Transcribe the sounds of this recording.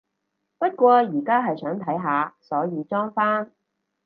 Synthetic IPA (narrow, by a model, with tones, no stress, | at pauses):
pɐ˥t̚kʷɔː˧jiː˨˩kaː˥ɦɐ˨jsœː˨˥ŋt̪ʰɐ˨˥jɦaː˨˧sɔː˨˥jiː˨˧t͡ʃɔː˥ŋfaː˥n